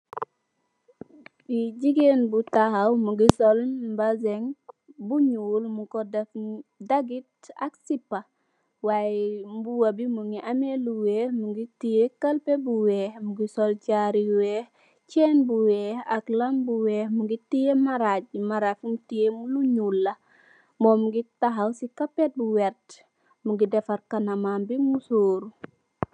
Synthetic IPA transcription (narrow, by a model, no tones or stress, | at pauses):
iɟiɡenbutahawmuɡisolbazeŋbuɲuːlmukodafdaɡit̚ | a̰ksipːa | waembuwabimuŋiʔameluwemuɡitijekalpebuwehmuɡisolt͡ʃaɾiwe | t͡ʃeːnbuweaklambuwemuɡitijemaɾaɟ̚maɾafumtijemuluɲulːa | momuɡitaɦawsikapet̚buwɛɾt | muɡidefaɾkanamambimusoːɾu